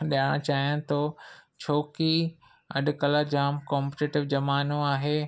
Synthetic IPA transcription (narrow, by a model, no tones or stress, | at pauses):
ɗijaɽ̃t͡ɕaːɦijãːnt̪ot͡ɕʰoːki | ɐ̰ɗkɐləɾd͡ʑaːmkɔːmpʈeːʈɪʋd͡ʑɐmaːnõaːɦeː